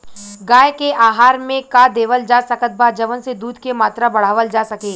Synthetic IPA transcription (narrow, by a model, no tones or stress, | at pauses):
ɡaːjkeʔaːɦaːɾmẽkad̪eːʋəld͡ʒaːsɐkət̪̚bʱad͡ʒɐʋənsed̪uːd̪ʱkemaːt̪ɾabɐɽ̤aːʋəld͡ʒaːsɐkeː